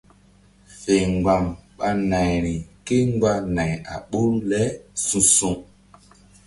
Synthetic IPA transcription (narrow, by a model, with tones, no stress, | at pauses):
fe˨ŋ˨ɡa˨mɓa˦na˨jɾi˨ke˦ŋ˦ɡ͡ba˦na˨ja˨ɓu˦ɾlɛ˦sũ˦su˦ŋ